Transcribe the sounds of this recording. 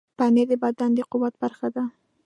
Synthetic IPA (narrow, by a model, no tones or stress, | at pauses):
paned̪ebad̪and̪eqʊwat̪̚baɾxad̪a